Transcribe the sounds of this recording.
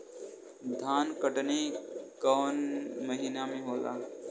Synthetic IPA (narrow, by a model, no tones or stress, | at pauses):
d̪ʱaːnkəʈnikɔːnməɦiːnamẽɦoːla̰ː